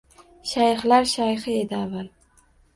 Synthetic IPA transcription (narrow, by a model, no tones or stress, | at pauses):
ʃajχlaɾʃajχɪed̪ɪaval